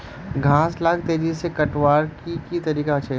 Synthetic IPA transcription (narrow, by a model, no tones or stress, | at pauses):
ɡʱãːslaːkʰt̪eːd͡ʒisekɐʈwaːɾkikit̪ɐɾiːkaʃʰɐ